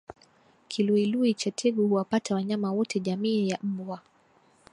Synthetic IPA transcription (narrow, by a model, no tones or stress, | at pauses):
kʰiluiluit͡ʃatʰɛɡuhuwapatawaɲamawɔtɛʄamiːjam̩bwa